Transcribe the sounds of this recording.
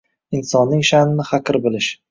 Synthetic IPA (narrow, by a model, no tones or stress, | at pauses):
ɪnsɒnːɪŋʃanɪnɪhaqɪɾbɪlɪʃ